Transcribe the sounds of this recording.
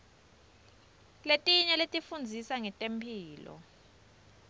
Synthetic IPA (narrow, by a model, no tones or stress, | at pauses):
letʼiɲɛletʼifund͡zʱisaŋɛtʼempʰiːlɔ̰